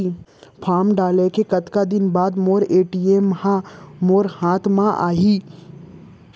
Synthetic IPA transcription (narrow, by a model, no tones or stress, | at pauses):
pʰaːmɖaːlekekɐt̪kad̪ɪnbaːd̪moːɾeːʈiːemːhãmoːɾhaːt̪ʰmãʔa̰ːɦiː